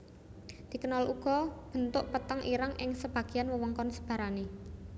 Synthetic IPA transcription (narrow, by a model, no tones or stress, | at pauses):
d̪̥i̤kənɔlʔuɡ̥ɔ̤b̥ə̤nt̪ʊʔpət̪əŋʔiɾaŋʔɪŋsəb̥a̤ɡ̥i̤anwəwɔŋkɔnsə̥b̥a̤ɾane